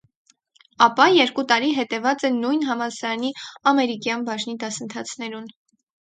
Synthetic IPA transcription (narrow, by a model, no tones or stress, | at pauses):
ɑpɑjɛɾkut̪ɑɾiɦɛt̪ɛvɑt͡sɛnujnɦɑmɑsɑɾɑniɑmɛɾikjɑnbɑʒnid̪ɑsənt̪ʰɑt͡sʰnɛɾun